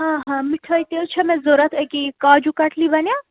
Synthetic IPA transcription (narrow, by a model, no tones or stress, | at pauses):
ɦãɦãmiʈʰəjt̪et͡ʃʰɛmɛ̃zoɾɐt̪ʰəkikaːd͡ʒukɐʈʰlibɐnja